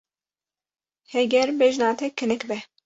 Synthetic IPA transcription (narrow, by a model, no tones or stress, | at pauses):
hɛɡɛɾbɛʒnaːt̪ʰɛkʰːɨnɨkbɛ